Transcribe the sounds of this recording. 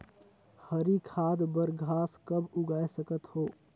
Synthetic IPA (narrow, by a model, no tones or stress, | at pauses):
həɾikʰaːd̪bəɾɡʱaːskɐbʊɡaːesəkət̪hoː